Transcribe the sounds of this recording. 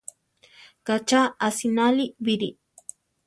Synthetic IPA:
kat͡ʃaːsinalibiɾḭ

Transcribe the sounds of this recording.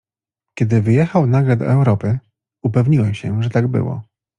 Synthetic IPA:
kʲɛd̪ɘvɘjɛxawnaɡlɛd̪ɔ̰ʔɛwɾɔpɘ | upɛvɲiwɛmɕɛʐɛt̪aɡbɘ̰wɔ̰

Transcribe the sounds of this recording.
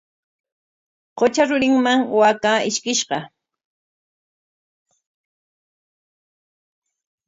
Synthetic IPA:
qot͡ʃaɾʊɾɪŋmaŋwakaːɪʃkɪʃɢɑ

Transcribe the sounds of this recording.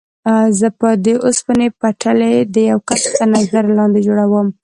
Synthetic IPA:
zəpəd̪əʔʊspənepaʈʰaled̪əjawkast̪əɾnazaɾlɑnd̪ed͡ʒoɽawəm

